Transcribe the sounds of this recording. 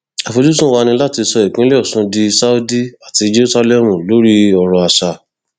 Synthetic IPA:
a˨fo˧d͡ʒu˦t̬ũ˦wa˧nĩ˧la˦ti˧sɔ˧i˨k͡pĩ˦le˦ɔ˦˨sũ˧di˧sa˦u˦di˦a˦˨ti˧˦d͡ʒe˦ɾu˦sa˦lɛ˦mũ˨lo˦ɾi˦ɔ˧ɾɔ˧a˨ʃa˨

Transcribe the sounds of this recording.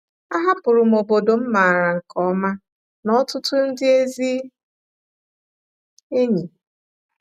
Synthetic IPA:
a˦ɦa˦pʊ˨ɾʊ˨m̩˨o˨bo˨do˨m̩˦ma˨ɾa˨ŋ̩˨kɔ˦ma˦ | nɔ˨˦tʊ˦tʊ˦n̩˦dɪ˦e˦zi˦ | e˦ɲi˨

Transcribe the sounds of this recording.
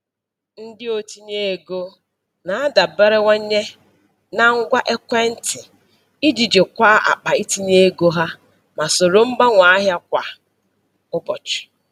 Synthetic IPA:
n̩˦dɪ˦o˦ti˦ɲe˦e˨ɡo˦ | na˨a˦da˨be˦ɾe˦wa˦ɲe˦ | na˦ŋ̩˦ɡʷa˦ʔe˦kʷe˦n̩˦tɪ˨ | i˦d͡ʒi˨d͡ʒe˨kʷa˦ʔa̰˨k͡pa˨i˦ti˦ɲe˦ɡo˦ɦa˦ | ma˨so˨ɾo˨m̩˦ba˦ŋʷa˨˦a˦ɦja˦kʷa˨ | ʊ˦bɔ˨t͡ʃʊ̥˨

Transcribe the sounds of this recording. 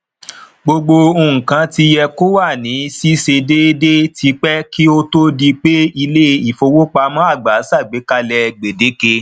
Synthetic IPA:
ɡ͡bo˧ɡ͡bo˧o˧˨ŋ̩̃˨kã˧˦ti˧jɛ˧ko˦wa˦˨nĩ˨˦si˦se˧de˦de˦tʰi˧˦k͡pɛ˦ki˦o˦to˦di˧k͡pe˦i˧le˦i˦˨fo˧wo˦k͡pa˧mã˦a˦˨ɡ͡ba˨˦sa˦˨ɡ͡be˨˦ka˧lɛ˧ɡ͡be˨de˨˦ke˧

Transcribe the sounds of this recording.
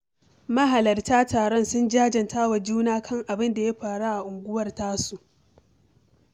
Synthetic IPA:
mɐ˦ɦa˨lɐ˨rtaː˦taː˨ɽɔ˦nsʊ˦nd͡ʒaː˦d͡ʒɐ˨ntʰaː˦wa˨d͡ʒuː˦naː˦kʰɐ˦ŋʔa˨bɪ˦nda˨ja˦ɸaː˨ɽa˦ʔa˨ʔʊ˨ŋɡʷʊ˦wɐ˦˨rtaː˦su˨ʔ

